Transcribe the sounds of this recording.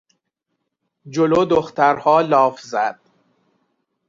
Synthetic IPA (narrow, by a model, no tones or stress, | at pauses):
d͡ʒoloːd̪oxt̪ʰæɾhɒːlɒːfzæd̪̥̚